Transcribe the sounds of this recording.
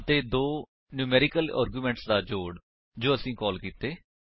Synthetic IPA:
ət̪eːd̪oː | njuːmɛːɾɪkəla̰ːɾɡjuːmɛ̃ːɳʈsd̪aːd͡ʒoːɽ | d͡ʒoːəsĩːkɔːlkiːt̪eː

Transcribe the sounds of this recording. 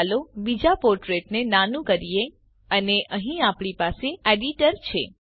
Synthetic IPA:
lobid͡ʒapoɾʈɾeʈnenanũkəɾije | əneʔəɦĩapɽ̃ipaseeɖiʈəɾt͡ʃʰḛ

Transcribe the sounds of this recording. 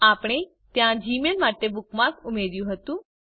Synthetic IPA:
aːpɽ̃e | t̪jãd͡ʒiːmelmaʈːebʊkmãkʊmeɾjũɦət̪ũː

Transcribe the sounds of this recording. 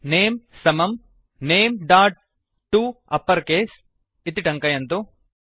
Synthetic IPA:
neːmsɐmɐm | neːmɖaːʈ̚ | ʈːuɐpːɐɾkeːs | it̪ːiʈɐŋkɐjɐnt̪u

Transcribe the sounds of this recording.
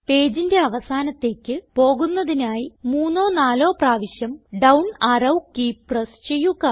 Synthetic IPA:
pe̞ːd͡ʑinde̞ɐʋɐsaːnɐt̪ːe̞ːkʲːɨpo̞ːɣunːɐðinaːjimuːnːo̞ːnaːlo̞ːpraːʋiɕjɐmɖɐwɳɐrɐwkiprɐst͡ɕe̞jːuɣɐ

